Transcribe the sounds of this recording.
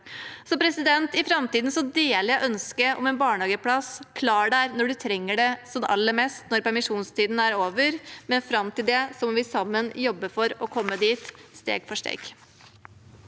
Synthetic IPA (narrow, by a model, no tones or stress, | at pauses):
sɔpʰɾɛsɪd̪ɛnt̪ɪfɾɑmt̪iːd̪n̩sɔd̪eːlɪɛʔœnskəʔɔ̰mɛːnbɑːɳɑːɡəpʰlɑskʰlɑːɖæːɾnɔɖʉt̪ʰɾɛŋːəɖɛsɔmɑ̰lːəmɛst̪nɔɾpæɾmɪʂuːnst̪ʰiːd̪n̩æɾoːʋəɾmɛnfɾɑmt̪ɪld̪ɛsɔmʋɪsɑmːənjɔbːəfɔɾɔkʰɔmːəd̪iːt̪st̪ḛːɡfɔʂʈ̪ḛːɡ